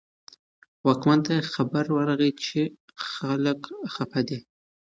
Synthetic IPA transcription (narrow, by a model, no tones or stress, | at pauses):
wakmand̪t̪axabaɾwaɾaɣit͡ʃe | xaləkxapʰad̪i